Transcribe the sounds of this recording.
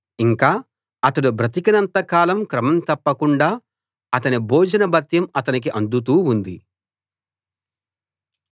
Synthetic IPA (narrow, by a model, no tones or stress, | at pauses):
iŋkaː | ɐt̪ɐɽubɾɐt̪ikɐnɐnt̪ɐkaːlɐmkɾɐmɐmt̪ɐpːɐkuɳɖaː | ɐt̪ɐniboːd͡ʒɐnɐbɐt̪jɐmɐt̪ɐnik̬iʔɐnd̪ut̪̬uːund̪i